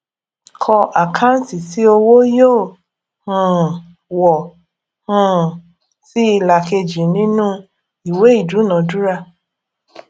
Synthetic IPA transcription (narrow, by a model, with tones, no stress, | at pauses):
kʰɔ˧ʔa˨kʰã˦n̩˦ti˨si˨˦o˧wo˦jo˦˨ | hũ˨ | wɔ˨ | hũ˨ | si˦i˧la˨ke˧d͡ʒi˨nĩ˦nũ˦ | i˨we˨˦i˦˨du˨˦nã˨˦du˦ɾa˧